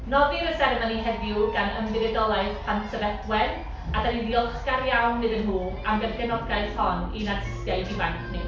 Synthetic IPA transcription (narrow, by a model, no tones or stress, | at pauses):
nɔðiɾəsɛɾəmaniɦɛdjuɡanə̰mvɪðɛdɔlˠaɨð̥pʰantʰəvɛdwɛn | adanidiɔlˠχkaɾjawnːɨðənɦuː | amɡɛnɡɛnɔɡaɨð̥hɔninadɪ̥stjaɨdivajθʰni